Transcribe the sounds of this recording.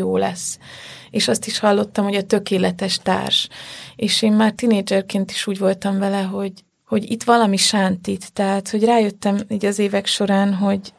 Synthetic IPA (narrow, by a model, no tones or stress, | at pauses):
oːlɛ̰sːeːʃɒst̪iʃhɒlːo̞t̪ːɒmho̞ɟɒt̪ø̞keːlɛt̪ɛʃt̪a̰ːrʃeːʃeːmːaːrt̪ineːd͡ʒɛrkeːnt̪i̥ʃuːɟvo̞lt̪ɒɱvɛlɛɦo̞ɟ | ho̞ɟḭt̪ʋɒlɒmiʃant̪it̪ːɛɦaːt̪ho̞ɟraːjø̞t̪ːɛmiːɟɒzeːvɛkʃo̞ɾaːnɦo̞ɟ